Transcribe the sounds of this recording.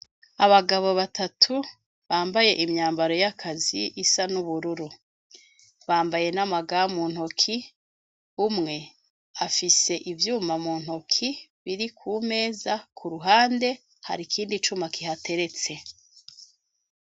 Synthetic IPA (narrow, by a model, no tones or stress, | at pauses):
aβaɡaβo̞βatʰatʰu | βaːmbaje̞ʔimɲaːmbaɾo̞jakʰaziʔisanuβuɾuɾu | βaːmbaje̞namaɡamuːn̥hokʰi | umŋe̞ | afise̞ʔivjuːmamuːn̥hokʰiβiɾikʰuːme̞ːzakʰuɾuɦaːnde̞ | ha̰ɾikʰiːndit͡ʃumakiɦate̞ɾe̞t͡se̞